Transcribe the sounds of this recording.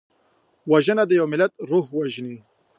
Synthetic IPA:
waʒənad̪əjawmɪlat̪̚ɾuhwaʒni

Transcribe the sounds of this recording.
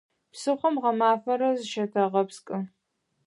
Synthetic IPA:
psɨχʷɔmʁɐmaːfɐɾɐzɨʃɐtʰɐʁɐpskʼɨ

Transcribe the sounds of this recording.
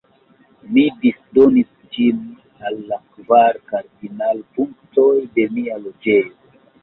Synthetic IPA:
midisdonis | d͡ʒim | alːakvaɾkaɾdinalpuŋktojde̞mialod͡ʒejo

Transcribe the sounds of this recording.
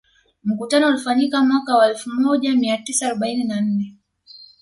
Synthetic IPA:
m̩kutanɔulifaɲikamwakawaɛlfumɔʄamiatisaːɾɔɓaininan̩nɛ

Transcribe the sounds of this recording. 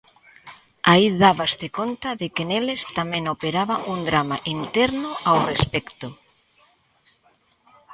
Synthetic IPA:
aiðaβast̪ekont̪aðekenelest̪amẽŋopeɾaβaʔund̪ɾamaʔint̪ɛɾnʊawrespɛkt̪ʊ

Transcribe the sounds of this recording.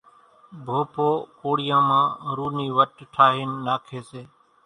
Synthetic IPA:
bʱoːpoːkoːɽɪjãːmãːɾuːniːʋəʈʈʰaːɦiːnːaːkʰeːseː

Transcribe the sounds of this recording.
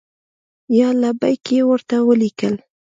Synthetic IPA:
jɑlabajkewəɾt̪awəlikəl

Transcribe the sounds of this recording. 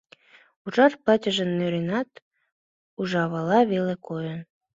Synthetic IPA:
uʒɑrpɑtʲə̆ʒə̆nːøɾenɑt̪ | uʒɑβɑlɑβelekojə̆n

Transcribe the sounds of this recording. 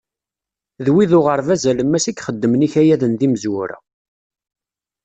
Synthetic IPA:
ðwiðʊʁəɾˤvæzæləmːæsikχəd̪ːəmniçæjæðənðiməzwʊɾæ̰

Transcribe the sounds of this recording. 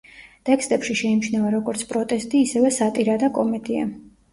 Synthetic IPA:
t̪ʼɛkst̪ʼɛpʃiʃɛimʃnavaɾɔɡɔɾt̪sʰpʼɾɔt̪ʼɛst̪ʼiːsɛvɛsat̪ʼiɾad̪akʼɔmɛd̪ia̰

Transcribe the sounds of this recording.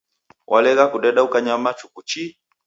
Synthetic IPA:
wʔalɛɣakuɗɛɗaukaɲamat͡ʃukut͡ʃi

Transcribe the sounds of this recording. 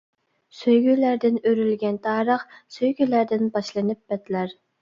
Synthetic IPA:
søjɡʲylæɾd̪ɪnøɾylɡʲɛnt̪ʰɑːɾəχsøjɡʲylæɾd̪ɪnbɑʃlˠɨnɨp̚b̥ɛt̪læɾ

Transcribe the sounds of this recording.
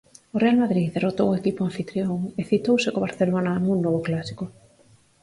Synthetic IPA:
orealmaðɾiðerot̪owekipoaɱfit̪ɾjoŋeθit̪owsɪkoβaɾθelonanuŋːoβoklasi̥ko

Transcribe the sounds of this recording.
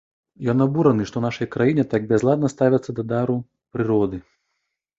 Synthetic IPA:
jɔnabuɾɐnɨʂt̪ɔnaʂɐjkɾajinʲɛt̪aɡ̚bʲɛzlˠad̪̚nɐst̪avʲɐt̪sːɐd̪ɐd̪aɾu | pɾɨɾɔd̪ɨ

